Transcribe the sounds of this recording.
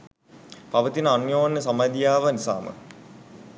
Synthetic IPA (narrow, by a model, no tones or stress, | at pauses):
paʋət̪inəanjoːnːəsamajd̪ijaːʋənisa̰ːmə̰